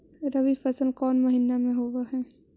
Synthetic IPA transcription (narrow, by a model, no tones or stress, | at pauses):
ɾɐʋifɐsəlkɔːnmɐɦɪnːamẽɦoʋaɦɛː